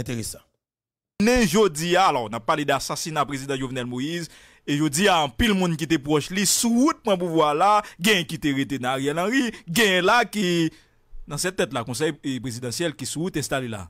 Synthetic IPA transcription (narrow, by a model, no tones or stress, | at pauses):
ɛ̃t̪eʁesḁ̃ | nɛ̃ʒod͡ziaːlɔnapːaled̪asasinapʁezid̪ãʒovnɛlmojiz | eʒod͡ziaɐ̃pilmũnkit̪̬epʁɔʃlisuut̪̚pʁɐ̃p̬uvwalaɡɛ̃jɛ̃kit̪eʁet̪enãaɣjɛlãɣiɡɛ̃jɛ̃laki | nɐ̃sɛt̪ːɛt̪lakɔ̃s̬ɛjepʁezid̪ɑ̃sjɛlkisuut̪ɛ̃st̪alela̰